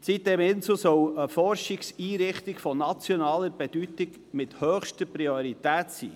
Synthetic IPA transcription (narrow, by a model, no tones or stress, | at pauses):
sit̚d̥̪ɛmɪnsəsœwəfɔrʃɪksiːɾɪχtɪɡfɔnɑt͡sjɔnɑːləɾb̥ɛd̥ytɪɡ | mɪthœːχʃtəprioɾit̪æːtsḭː